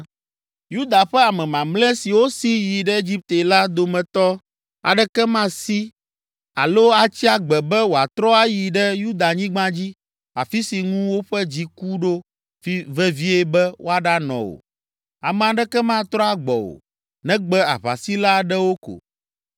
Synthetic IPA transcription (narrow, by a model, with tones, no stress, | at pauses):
ju˦d̪a˨ɸɛ˦a˨mɛ̃˨mã˨mlɛ̃˦si˨wo˦si˦ji˨ɖɛ˦e˦d͡ʑi˦p̚t̪e˨la˦d̪o˨mɛ̃˨t̪ɔ˦ | a̰˨ɖɛ˦kɛ˦mã˦si˦ | a̰˨lo˦a˨t͡ɕi˦a˨ɡ͡bɛ˨bɛ˦wo˨a˨t̪ɾɔ˦a˦ji˨ɖɛ˦ju˦d̪a˨ɲĩ˦ɡ͡bã˦d͡ʑi˦ | a̰˨fi˦si˨ŋũ˦wo˦ɸɛ˦d͡ʑi˦ku˦ɖo˦ | fi˦vɛ˦vi˦ɛ˦bɛ˦wo˦a˨ɖa˦nɔ̰̃˨wo̰˨ | a˨mɛ̃˨a˨ɖɛ˦kɛ˦mã˦˨t̪ɾɔ˦a˨ɡ͡bɔ̰˨o̰˨ | nɛ̃˦ɡ͡bɛ˦a̰˨βa̰˨si˦la˦ɖɛ˦wo˦ko̰˨